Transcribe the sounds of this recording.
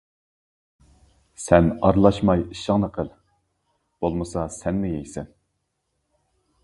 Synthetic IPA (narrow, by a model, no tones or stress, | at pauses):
sɛnɑɾlˠɑʃmɑjiʃəŋnəqʰəlˠ | b̥olˠmɨsɑsɛnːɪjɛjsɛn